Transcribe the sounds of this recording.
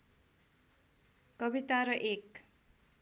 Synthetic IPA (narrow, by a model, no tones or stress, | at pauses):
kʌbit̪aɾʌʔek